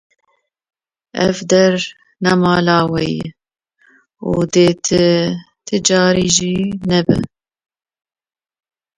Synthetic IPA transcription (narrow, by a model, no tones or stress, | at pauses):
ʔɛvd̪ɛɾ | nɛmɑːlɑːwɛj̰ | uːd̪eːt̪ʰɨ | t̪ʰɨd͡ʒɑːɾiːʒiːnɛbɨ̰